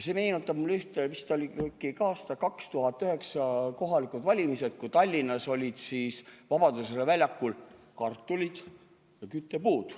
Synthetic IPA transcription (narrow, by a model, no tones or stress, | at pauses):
semeːnut̪ːˑɑb̥̚mulːyht̪evist̪olʲikːikɑːst̪ɑkɑkst̪uɦɑt̪ːˑyɦe̞ksɑko̞ɦɑlikˑud̪̥vɑlʲimise̞d̪̥̚kut̪ɑlʲːinːɑso̞lʲid̪̥siːsvɑbɑd̪uselevælʲjɑkːˑul | kɑrt̪ːˑulid̪̥ | jɑkyt̪ːe̞puːd̪̥